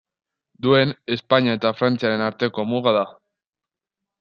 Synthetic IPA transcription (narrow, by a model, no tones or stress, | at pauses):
d̪ue̞ne̞spaɲiae̞t̪afɾant͡siaɾe̞naɾt̪e̞ko̞muɣ̞aða